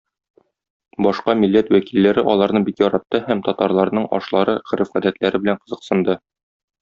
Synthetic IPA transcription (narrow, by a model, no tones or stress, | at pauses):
bɒʃqɑmilːæt̪wækilːæɾɘʔɒlˠɑɾnɤɴbikjɒɾɑt̪ːɤhæmt̪ɒt̪ɑɾlˠɑɾnɤɴʔɒ̰ʃlˠɑɾɤʁɘ̆ɾɘfʁæd̪æt̪læɾɘbɘ̆læɴqɤ̆zɤ̆qsɤ̆nd̪ɤ